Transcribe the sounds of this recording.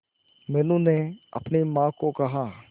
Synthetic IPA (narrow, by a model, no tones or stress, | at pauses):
mɛːnũneɐ̰pnimãːkokɐɦaː